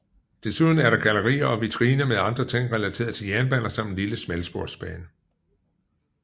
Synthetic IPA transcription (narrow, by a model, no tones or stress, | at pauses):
d̥e̝suðˠn̩æɐɾɑ̈ɡ̥ælɐʁḭːɐɒ̽ʋit͡sʰɐʁiːnɐmeðˠɑ̈nd̥ʁɐt͡sʰe̝ŋ̰ʁɛlæt͡sʰe̝̰ːɐð̩ˠt͡sʰe̝ljæɐnb̥ænɐsɑ̈m̰d̥liləsmelsb̥o̝ɐd̥sb̥ɛːnə